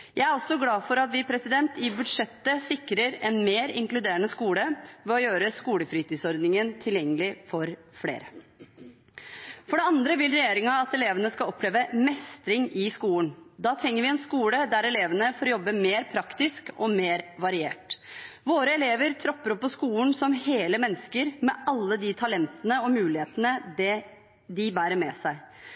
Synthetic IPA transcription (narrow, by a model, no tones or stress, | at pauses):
jæɪæɾɔsːɔɡlɑːfɔɾɑt̪ʋɪpʰɾɛsɪd̪ɛnt̪ɪbʉd̪ʂɛt̪ːəsɪkːɾəɾɛnmeːɾɪ̰ŋklʉd̪eːɾənəskuːləʋɛɔjøːɾəskuːləfɾiːt̪iːsɔɾd̪nɪŋənt̪ʰɪljɛŋːəlɪfɔɾ | fɽḛːɾə | fɔɖɛɑnd̪ɾəʋɪlɾɛjeːɾɪŋɑɑt̪ɛleːʋənəskɑlɔpːleːʋəmɛst̪ɾɪŋɪskuːlnd̪ɑːt̪ʰɾɛŋːəɾʋɪɛnskuːləd̪æɾɛleːʋənəfoːɾjɔbːəmeːɾpʰɾɑkt̪ɪskɔmeːɾʋɑɾɪeːʈʋoːɾəɛleːʋəɾt̪ʰɾɔpːəɾɔpːɔskuːnsɔmheːləmɛnːəskəɾmɛʔɑlːəd̪ɪt̪ʰɑlɛnt̪ənəɔmʉːlɪheːt̪ənəd̪ɛ | d̪ɪbæːɾəɾmɛːsæɪ